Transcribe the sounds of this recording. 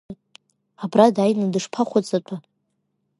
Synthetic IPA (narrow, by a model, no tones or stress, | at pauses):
abradajnɨdɨʂpʰaχʷat͡sʼat͡pʷʼʰa